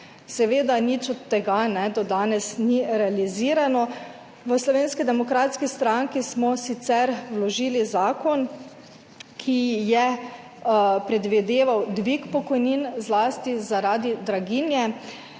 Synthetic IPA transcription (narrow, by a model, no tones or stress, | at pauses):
sɛʋeːd̪anit͡ʃɔt̪ːɛɡanɛd̪ɔd̪aːnɛsniɾɛaliziːɾanɔ | ʋəslɔʋeːnskid̪ɛmɔkɾaːt̪skist̪ɾaŋkismɔsit̪sɛɾwlɔʒiːlizaːkɔn | kʰijɛ | pɾɛd̪ʋid̪eːʋawd̪ʋikpɔkɔjninzlaːst̪izaɾaːd̪id̪ɾaɡinjɛ